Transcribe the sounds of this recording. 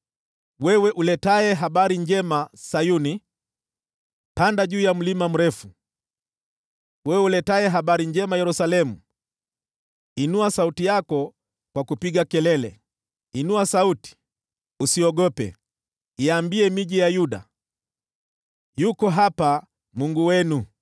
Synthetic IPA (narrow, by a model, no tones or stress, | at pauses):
wɛwɛʔulɛtaɛɦaɓaɾiɲd͡ʒɛmasajuni | pandaʄuːjam̩limam̩ɾɛfu | wɛwɛulɛtaɛɦaɓaɾiɲd͡ʒɛmajɛɾusalɛmu | inuasautijakɔ | kwakupiɠakɛlɛlɛ̰ | inuasauti̥ | usiɔɠɔpɛ̰ | iambiɛmiʄijajuɗa̰ | jukɔɦapa | muŋɡuwɛnu